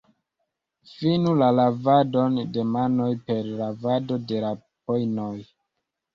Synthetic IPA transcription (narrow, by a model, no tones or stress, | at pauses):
finulalavado̞nde̞mano̞jpe̞ɾlavado̞de̞la | pojnoj